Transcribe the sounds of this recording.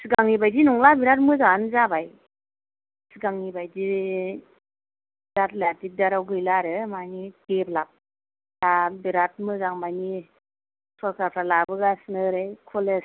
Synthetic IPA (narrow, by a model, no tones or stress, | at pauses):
sɯɡaŋibajdinɔŋlabiɾat̚mɯzanzabaj | sɯɡaŋibajdi | biɾatlatik̚daɾawɡɯjlaɾɯmanideplap̚ | dabiɾat̚mɯzaŋbajni | sɔɾkaɾpʰɾalabɯɡasnɯɾɯjkʰɔle